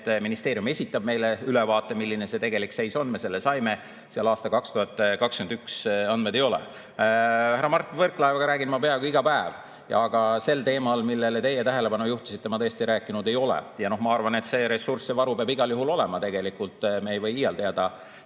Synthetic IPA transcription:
t̪ːminist̪e̞ːɾijume̞sʲit̪ːˑɑb̚me̞jleylevɑːt̪ːˑe̞milːine̞se̞t̪e̞ɡe̞likse̞jso̞nme̞se̞lːesɑjme | seɑlɑːst̪ɑkɑkst̪uhɑt̪ːkɑkskynd̪yksɑnd̪med̪̥e̞jo̞lɛ̰ | hæɾɑmɑrt̪ːˑinvɤrkˑlɑevɑɡ̥ɑɾæːɡinmɑpe̞ɑkuiɡɑpæev | jɑɡ̥ɑse̞lt̪e̞ːmɑlmilːe̞let̪e̞jet̪æɦele̞pɑnujuht̪u̥sit̪ːe̞mɑt̪ɤːest̪ieɾæːkːˑinud̪e̞jo̞lɛ̰jɑno̞hmɑɑrvɑne̞t̪se̞ɾesursːevɑɾupeɑbiɡ̥ɑljuɦulo̞lɛmɑt̪e̞ɡe̞likult̪ˑme̞jvɤjijɑlt̪eɑd̪̥ɑ

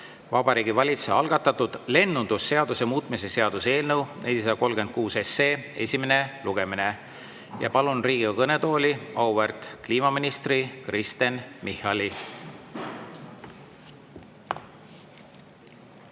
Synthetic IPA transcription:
vɑbɑɾiːɡ̥ivɑlʲit̪su̥eɑlɡ̥ɑt̪ːˑɑt̪ːud̪̥le̞nːund̪̥usːe̞ɑd̪usemuːt̪ˑmise̞se̞ɑd̪̥use̞ːlnəwnʔeld̪ʲis̬ɑd̪ɑko̞lɡe̞n̚kuːse̞sːeːe̞̰sʲimene̞luɡ̥e̞mine̞ | jɑ̰pɑlunriːɡ̥iɑkɤne̞t̪o̞ːlʲiɑwvert̪kliːmɑminist̪rikrist̪e̞nmihɑlʲi

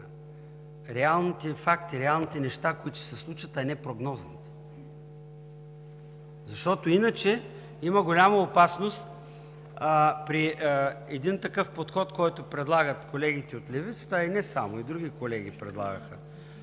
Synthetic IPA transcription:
ɾɛalˠnit̪ɛfakt̪iɾɛalˠnit̪ɛnɛʃt̪akoit̪o̥sɛslˠut͡ʃvət̪ɛnɛpɾoɡnɔznit̪ɛ̥ | zɐʃt̪ɔt̪oinət͡ʃɛ | iməɡolʲamɐopasnost̪ː | pɾiɛd̪int̪ɐkɤfpot̪xɔt̪kɔjt̪opɾɛd̪lˠaɡət̪kolɛɡit̪ɛot̪lɛvit̪sə̥t̪əinɛsamoid̪ɾuɡikolɛɡ̟ipɾɛ̰d̪lˠa̰ɡəxə

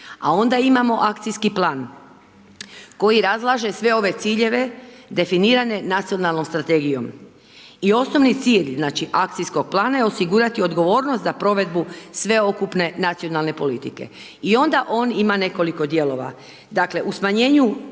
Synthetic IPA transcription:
a̰o̞nd̪aimamo̞ʔakt̪sijskiplaːn | ko̞jiɾazlˠaʒe̞sʋe̞o̞ʋe̞t̪siːʎe̞ʋe̞d̪e̞finiːɾane̞nat̪sijo̞nalˠno̞mst̪ɾat̪e̞ɡijo̞̰m | io̞sno̞ʋnit̪siːʎznaːt͡ʃiʔak̚t̪sijsko̞ɡ̚plˠaːnajeo̞siɡuɾat̪io̞d̪ɡo̞ʋo̞ːɾno̞st̪zapɾo̞ʋe̞d̪busʋe̞o̞kupne̞nat̪sio̞nalˠne̞po̞lit̪ike̞̰ | io̞nd̪aʔo̞ːnimane̞ko̞liko̞d̪je̞lo̞ʋa̰ | d̪akle̞ʔusmaɲe̞ːɲu

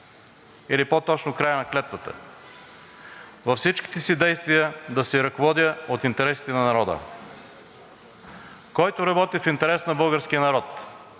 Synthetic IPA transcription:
ilipot̪ɔt͡ʃnokɾajənɐklɛt̪vət̪ə̰ | vɐfsit͡ʃki̥t̪ɛsid̪ɛjst̪vijəd̪ɐsɛɾɐkovɔd̪jəot̪int̪ɛɾɛsi̥t̪ɛnɐnɐɾɔd̪ə̰ | kɔjt̪oɾɐbɔt̪ifint̪ɛɾɛsnɐbɤlˠɡəɾskijənɐɾɔt̪

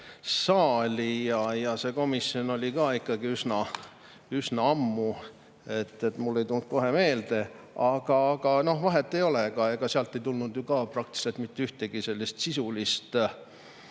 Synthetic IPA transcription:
sɑːlʲijɑjɑse̞ko̞misːio̞no̞lʲikɑːikːˑɑɡiysnɑ | ysnɑɑmːu | et̪ːˑet̪mulːe̞jt̪ulnt̪̚ko̞ɦe̞me̞ːld̪e̞ | ɑɡ̥ɑɡ̥ɑno̞hvɑɦe̞t̪ːˑe̞jo̞leɡɑeɡ̥ɑseɑlt̪ːˑe̞jt̪ulnud̪̥jukɑːprɑk̚t̪i̥se̞lt̪mit̪ːyht̪eɡ̥ise̞lːist̪sisulist̪

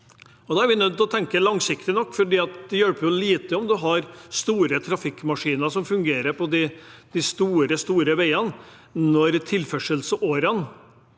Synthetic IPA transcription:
ɔd̪ɑːæɾʋɪnœd̪̚t̪ːɔt̪ʰɛŋkəlɑŋsɪkt̪ɪnɔkːfɔɖiːɑt̪d̪ɛjœlpːəjʊliːt̪əɔmd̪ʉɦɑɾst̪uːɾət̪ʰɾɑfɪkːmɑʂiːnəʂɔmfʉŋɡeːɾəɾpʰɔd̪ɪd̪̥ɪst̪uːɾəst̪uːɾəʋæɪən | nnɔɾt̪ʰɪlfɛʂəlsəʔoːɾən

